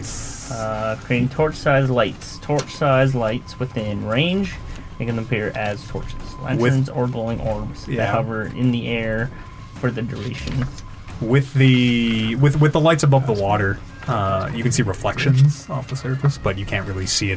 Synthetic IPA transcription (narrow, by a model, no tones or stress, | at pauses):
z̥ʌkʰɹ̥ĩŋtʰɔɹt͡ʃsaɪzlaɪtstʰɔɹt͡ʃsaɪzlaɪtswɨθɪ̃nɹẽɪ̃nd͡ʒ | mʰeɪkɨ̃nðɨmpʰɪɹʔɨz̥tʰɔ̰ɹt͡ʃɨz̥læ̰̃ntə̃nzə˞ɡloʊɪ̃ŋʔɔɹmz̥ðɨt̚hʌɛvə˞ɪ̰̃nðiʔɛɹ | fə˞ðɨdə˞eɪʃɨ̰̃nz̥ | wɪðiwɨðwɨðəlaɪtsəbʌvðəwɔɾə˞ | ʌjɨkɨ̃n̩siɹɨflɛkʃɨ̃nz̥ɔfəsə˞vɨsb̥ʌt͡ʃɨkʰæ̃nʔ̚ɹɪlˠisiɨ